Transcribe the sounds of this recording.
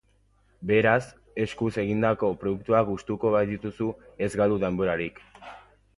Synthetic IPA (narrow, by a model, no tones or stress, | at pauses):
be̞ɾas | e̞skuse̞ɣind̪ako̞pɾo̞ðuk̚t̪uaɡust̪uko̞βajðit̪usue̞zɡald̪uðe̞mbo̞ɾaɾik